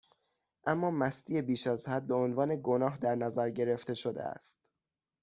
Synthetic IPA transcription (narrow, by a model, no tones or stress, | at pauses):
ʔæmːɒːmæst̪ʰiːe̞biːʃæzhæd̪̚be̞onvɒːne̞ɡo̞nɒːɦd̪æɾnæzæɾɟe̞ɾe̞ft̪e̞ʃod̪ḛæ̰st̪